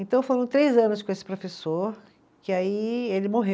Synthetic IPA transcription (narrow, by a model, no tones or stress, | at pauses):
ẽnt̪ɐ̃w̃foɾɐ̃w̃t̪ɾejzɐ̃nʊskõesɪ̥pɾofesoɾ | kɪaielɪmoɦe